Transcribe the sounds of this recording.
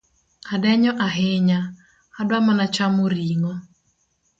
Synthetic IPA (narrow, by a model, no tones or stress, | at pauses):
adɛɲɔʔaɦɪɲa | adwamanat͡ʃamoɾiŋɔ